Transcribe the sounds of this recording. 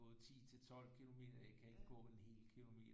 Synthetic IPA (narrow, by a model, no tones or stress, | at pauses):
ɔ̽ːð̩ˠt͡sʰḭːt͡sʰe̝lt͡sʰɒ̽l̰kʰilo̝me̝̰ːd̥ɐjakʰæe̝ɡ̥əɡ̥ɔ̰̽ːenhe̝̰ːlkʰilo̝me̝̰ːd̥